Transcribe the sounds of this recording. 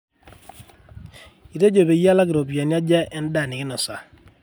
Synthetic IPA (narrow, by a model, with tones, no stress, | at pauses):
i˨te˦d͡ʒo˨be˨˦ja˦la˦kɪ˨ɾo˨bja˨nja˦d͡ʒa˦ʔɛ˦n˦da˨ni˨kɪ˦nɔ˨sa˨